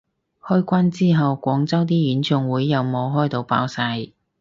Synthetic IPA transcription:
hœː˥jkʷaː˥nt͡siː˥ɦɐ˨wkʷɔː˨˥ŋt͡sɐ˥wt̪̬iː˥jyː˨˥nt͡ʃʰʊ˧ŋwuː˨˥jːɐ˨˧wmo˨˧wɦɔː˥jt̪o˨˧wpa̰ː˨˥wsaː˧j

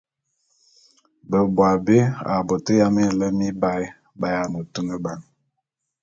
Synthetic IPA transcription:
bə˨bwa˨be˦a̰˨bo˨tə˦ja˦me˦˨lə˦mi˦ba˦j | ba˨ja˨nə˨tu˦mə˦ba˨ŋ

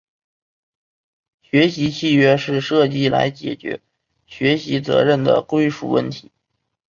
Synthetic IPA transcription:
ɕɥɛ˧˥ɕi˧˥t͡ɕʰi˥˩ɥɛ˥ʂɻ̩˥˧ʂɤ˥˧t͡ɕi˥˩la̰˧˥ɪt͡ɕjɛ̰˨˩t͡ɕɥɛ̰˧˥ | ɕɥɛ˧˥ɕi˧˥t͡sɤ̰˧˥ɻə˥˩nd̪ə̰˩kwe˥ɪʂṵ˥˧wə̰˥˩nt̪ʰi̥˧˥

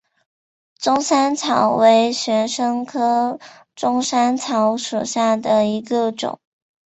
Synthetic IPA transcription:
ʈ͡ʂʊ˥ŋsa˥nt͡sʰɑ˨˩ʊwe˧˥ɪɕɥɛ˧˥nʂɤ˥ŋkʰɤ˥ | ʈ͡ʂʊ˥ŋʂa˥nt͡sʰɑ˧˥ʊʂu˨˩ɕja˥˩d̪ə˩i˧˥ɡə˧ʈ͡ʂʊ̰˨˩˦ŋ

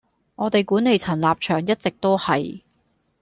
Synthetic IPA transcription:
ŋɔː˨˧t̪e˨jkuː˨˥ne˨˧jt͡sʰɐ˨˩nlaː˨p̚t͡ʃʰœː˨˩ŋjɐ˥t̚t͡sɪ˨k̚t̪o˥whɐ˨j

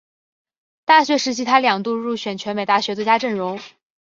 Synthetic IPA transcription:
t̪a˥˩ɕɥɛ˧˥ʂɻ̩˧˥t͡ɕʰi˥t̪ʰa˥ljɑ˨˩ŋt̪u˥˧ɻu˥˩ɕɥɛ˨˩nt͡ɕʰɥɛ˧˥nme˨˩ɪt̪a˥˩ɕɥɛ˧˥t͡swt͡ɕja˥ʈ͡ʂɤ˥˩ŋɻʊ˧˥ŋ

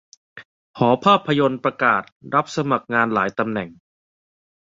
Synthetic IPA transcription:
hɔː˩˦pʰaː˥˩pʰːa˧jo˧npɾa˧kaː˨˩t̪̚ɾa˦˥p̚sa˧ma˨˩k̚ŋaː˧nlaː˩˦jt̪a˧mnɛ˨˩ŋ

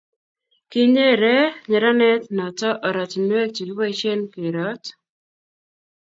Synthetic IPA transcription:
kɪ˦ɲe˦ɾɛ˦ɲɛ˨ɾa˦nɛ˦tnɔ˨tɔ˦ʔɔ˨ɾɔ˨tnwe˦k̚t͡ʃi˨ɡwɔ˦t͡ʃe˦nki˨ɾɔ˨˦t

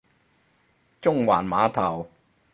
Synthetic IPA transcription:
t͡ʃʊ˥ŋwaː˨˩nmaː˨˥t̪ʰɐ˨˩w

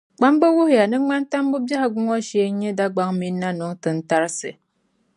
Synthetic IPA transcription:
k͡pa˦mbɨ˦wu˦hja˨nɨ˦ŋ͡ma˦n˦ta˦mbɨ˦bja˦ha˦ɡu˦ŋɔ˦ʃeː˦ɲɛ˦da˦ɡ͡ba˦ŋmi˦nːa˦nʊ˨ŋtɨ˨n̩˦ta˦ɾsɨ̰˨

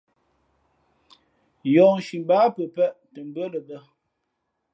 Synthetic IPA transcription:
jɔ˨ŋʃi˨m˨ba˨˦pə˨pɛ˦˨ʔtə˨m˨bə˦lə˨bə˦

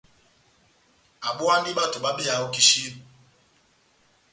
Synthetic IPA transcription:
a˨ɓu˦a˦n˦di˦ɓa˦˨tu˨ɓa˦ɓi˦a˨o˦ki˦ʃi˦

